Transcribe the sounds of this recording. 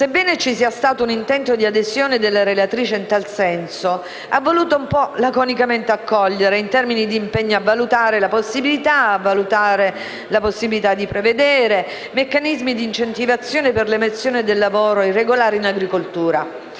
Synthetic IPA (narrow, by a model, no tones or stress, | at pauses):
sebːɛːnet͡ʃisiːast̪aːt̪ounint̪ɛnt̪od̪iad̪ezjoːned̪elːaɾelat̪ɾiːt͡ʃeint̪alsɛnso | avːoluːt̪oumpɔlakonikament̪eakːɔʎːeɾeint̪ɛrminid̪iːmpeɲːoavalut̪aːɾelaposːibilit̪aavːalut̪aːɾe | laposːibilit̪ad̪ːipɾeved̪ɛːɾe | mekːanizmid̪int͡ʃent̪ivat̪sːjoːneperlemesːjoːned̪elːavoːɾoirːeɡolaːɾeinaɡɾikolt̪uːɾa